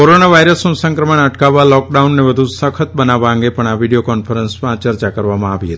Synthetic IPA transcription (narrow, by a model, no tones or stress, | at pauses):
koɾonaʋajɾəsnũsə̃ŋkɾəməɳəʈkaʋalɔk̚ɖaunːeʋəd̪ʱusəkʰət̪̚bənaʋaə̃ŋɡepəɳaʋiɽijokɔnfəɾənsmãt͡ʃəɾt͡ʃakəɾʋamãaʋiɦət̪i̥